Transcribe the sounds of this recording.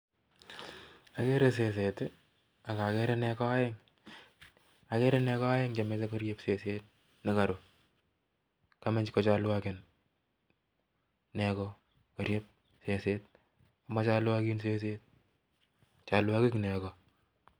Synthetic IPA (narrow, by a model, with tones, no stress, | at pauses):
a˨ke˦ɾe˨s̬e˨s̬e˨tɪ˦ | a˨ka˨ke˦ɾɛ˦nɛ˦kɔ˦a˦jeŋ | a˨ke˦ɾɛ˦nɛ˦kɔ˦a˦jɪ˦ŋt͡ʃa˨me˦ta˦kɔ˦ɾjepse˨se˦t̚ | nɪ˦ka˨ɾo˨ | ka˦mɛ˦ɲt͡ʃkɔ˨t͡ʃa˦lwa˦kɪn | nɛ˦kɔ˦ | kɔ˨ɾje˦p̚ | se˨se˦t̚ | a˨ma˦t͡ʃa˦lwa˦ki˦nse˦se˦t̚ | t͡ʃa˨lwa˦kɪ˦knɛ˨kɔ